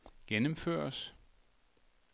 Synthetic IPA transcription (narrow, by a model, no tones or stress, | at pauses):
ɡ̥enəmfø̰ɐs